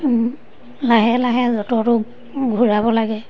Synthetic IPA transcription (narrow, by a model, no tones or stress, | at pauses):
laɦɛlaɦɛzɔtɔtʊ | ɡʱuɹabɔlaɡɛ